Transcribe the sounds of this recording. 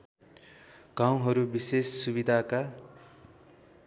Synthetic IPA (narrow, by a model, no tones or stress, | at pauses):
ɡ̥aw̃ɦʌɾubisesːubid̪ʱaka